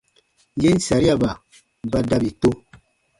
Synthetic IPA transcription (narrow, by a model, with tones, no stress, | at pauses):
je˦n̩˦˨sa˨ɾi˦a˨ba˨ | ba˦da˦bi˨to˦